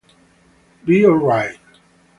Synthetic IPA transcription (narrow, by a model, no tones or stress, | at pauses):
biɔlɹaɪt̚